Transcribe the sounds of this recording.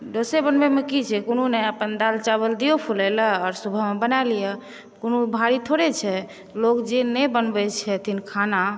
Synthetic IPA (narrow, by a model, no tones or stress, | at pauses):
ɖosebənbɛmekit͡ʃʰɛkonuneəpənd̪alt͡ʃaβəld̪iopʰulɛləɔɾsubʱəɦmebənalijɛ | konubʱaɾit̪ʰoɾet͡ʃʰɛ | lokd͡ʒenɛbənbɛt͡ʃʰɛt̪inkʰana